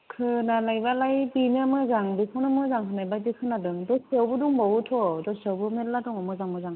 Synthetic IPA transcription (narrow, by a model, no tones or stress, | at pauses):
kʰɯnalajbalajbinamɯzaŋbipʰɔnamɯzaŋɦʰɯnajbadikʰɯnadɯŋdɔsewbɯduŋmɔwutʰɔdɔsewbɯmeladuŋɔmɯzaŋbɯzaŋ